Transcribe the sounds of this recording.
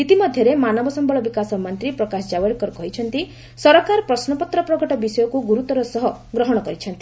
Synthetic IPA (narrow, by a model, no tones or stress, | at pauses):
it̪imɔd̪ʱjɔɾemanɔbɔsɔmbɔɭɔbikasɔmɔnt̪ɾipɾɔkasɔd͡ʒabɔɽkɔɾɔkɔɦit͡ʃʰɔnt̪i | sɔɾɔkaɾpɾɔsnɔpɔt̪ɾɔpɾɔkɔʈɔbisɔjɔkuɡuɾut̪ɔɾɔsɔɦɔɡɾɔɦɔɽ̃ɔkɔɾit͡ʃʰɔnt̪i